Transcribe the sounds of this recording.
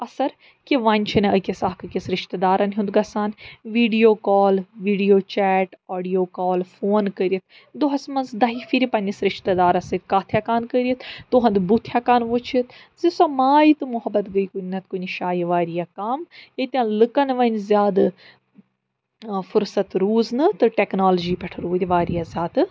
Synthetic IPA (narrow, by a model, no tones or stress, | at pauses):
ɐsɐɾ | kiʋɐnʲt͡ʃʰineəkʲesaːkʰɨkʲesɾɪʃt̪ɐd̪aːɾɐnɦũnd̪ɡɐsaːnʋiːɖijoːkɔːlʋiːɖijoːt͡ʃɛːʈɔːɖijoːkɔːlfʰoːnkəɾit̪ | d̪oɦɐsmɐnzd̪ɐːɦifiɾipɐnʲisɾɪʃt̪ɐd̪aːɾɐsɐkaːt̪ʰjaːkaːnkəɾiət̪t̪ʊɦɐ̃nd̪but̪ʰːjaːkaːnʋot͡ʃʰit̪ | zisɐːmaːit̪ɨmʊɦɐbːɐt̪ɡəikunnɐt̪kuniʃaːjiʋaːɾijaːkɐmet̪ʲjãːlɨkɐnʋɐnʲzʲjaːd̪ | fʰʊɾsɐt̪ɾuːznɨt̪ɨʈɛːknaːlod͡ʒiːpɛʈʰɐɾuːd̪ʲiʋaːɾijaːzʲaːt̪